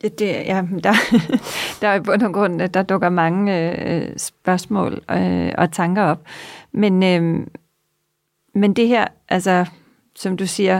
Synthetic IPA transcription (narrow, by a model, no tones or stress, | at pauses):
jd̥e̝jæd̥ɑ̈ | d̥ɑ̈æɐb̥ɔnonɡ̥ʁɔ̽n̰d̥ɑ̈d̥ɔ̽ɡ̥ɐmɑ̈ŋəø̰sb̥ɶɐsmɔ̰̽ːløɒ̽t͡sʰɑ̈ŋɡ̥ɐɒ̽b̥menø | mend̥e̝ɦæɐ̰ʔælsɐ | sɒ̽md̥usiːɐ